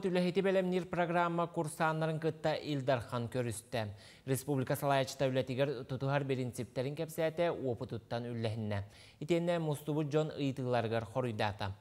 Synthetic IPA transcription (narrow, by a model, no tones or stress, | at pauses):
t̪ylʲɛɦit̪ibɛlɛmniɾproɡɾamːakuɾsaːnːɑɾɯŋkɯt̪ːɑʔilʲd̪ɑɾχɑŋkøɾyst̪ɛ | ɾʲespublʲikasɑlˠɑjɑt͡ʃɯ̥t̪ɑylʲɛt̪iɡɛɾt̪ut̪uɦɑɾbiɾint̪sip̚t̪ːɛɾiŋkɛpsɛːt̪ɛuopɯt̪ut̪ːɑnylːɛɦinːɛ | it̪enːɛmust̪ubud͡ʒonɯ̰jt̪ɯlˠɑɾɯɡaɾχoɾujd̪aːt̪ɑ̰